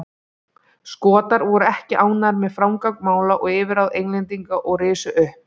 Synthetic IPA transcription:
skɔːt̪aɾvɔɾʏɛhcɪʔaːwnaɾmɛðfɾawmkawk̚maːwlaʔɔɣɪːvɪɾawðejŋnlɛnt̪iŋkaʔɔɣrɪːsʏʔʏhp

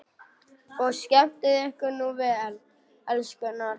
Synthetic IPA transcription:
ɔɣscɛm̥t̪ɪðɛhkʏnuvɛl | ɛlskʏnaɾ

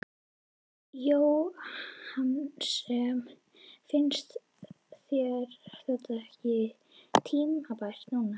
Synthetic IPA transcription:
jow | hansɛm | fɪnst̪ | θjɛɾθajt̪aɛhcɪ | t̪ʰiːnmhapar̥t̪nuːna

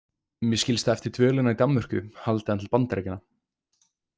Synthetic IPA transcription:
mjɛscɪlst̪aɛft̪ɪɾ̥t̪ʰvœːlɪnait̪amvʏr̥kʏhalt̪ɪðant̪ʰɪlpant̪aɾɛːcɪnːa

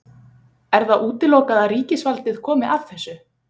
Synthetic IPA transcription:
ɛɾθaʔuːt̪ɪloːwkaðaðɾiːcɪsvalt̪ɪð̥kʰɔːmɪʔað̥θɛsːʏ

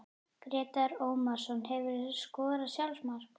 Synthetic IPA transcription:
kɾɛːt̪aɾoːwmasɔnhɛvʏɾskɔːðɾasjawlsmaɾ̥

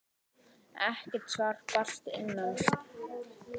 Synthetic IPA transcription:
ɛhcɪt̪svar̥par̥t̪ɪ̰nːan

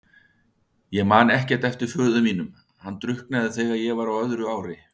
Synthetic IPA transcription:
jɛɣmaːnɛhcɛɾ̥t̪ɛft̪ɪɾ̥fœːðʏmiːnʏm | hanːt̪ɾʏhknaðɪθɛːɣaðjɛɣvaɾawœðɾʏaːwɾɪ

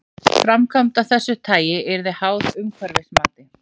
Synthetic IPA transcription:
fɾamkʰamt̪awθɛsːʏt̪ʰaːjɪɛɾðɪhaːwðʏmkʰvɛɾvɪsmaːt̪ɪ

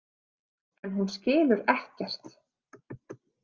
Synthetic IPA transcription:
ɛnɦunscɪːlʏɾɛhcɛr̥t̪

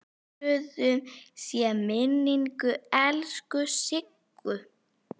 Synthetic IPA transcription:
ʏðʏmsiamɪnːiŋkʏɛlskʏsɪkːʏ

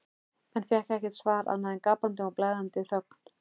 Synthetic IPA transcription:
ɛnfjɛhkɛhcɛt̪svaːɾa̰ðnaðɛnkaːpant̪ɪawplajðant̪ɪθœkn̥

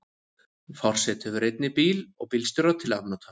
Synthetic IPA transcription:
fɔr̥sɛt̪hɛvʏɾejt̪nɪpiːlɔ̰ɣpɪlst̪ʏɾat̪ʰɪla̰t̪nat̪ʰa

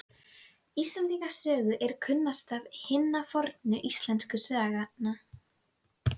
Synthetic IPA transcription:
ist̪lɛnt̪iŋkasœːɣʏʔɛɾ̥kʰʏnːast̪avhɪnːafɔɾt̪nʏʔist̪lɛnskʏsœaɣanːa

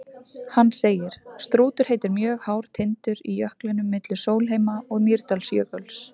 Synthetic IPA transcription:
hanːseːjɪɾ̥st̪ɾuːt̪ʏɾ̥heːjt̪ɪɾmjœːɣhaːwɾ̥t̪ʰɪnt̪ʏɾijœhklɪnʏmːɪt̪lʏ̥soːwlɦejmaɔɣmiɾt̪alsjœːkœls

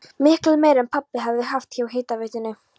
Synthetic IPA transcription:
mɪhklɪmeːjɾɛnpʰapːɪɦɛvðɪhaft̪çawɦeːjt̪avɛht̪ɪnːɪ

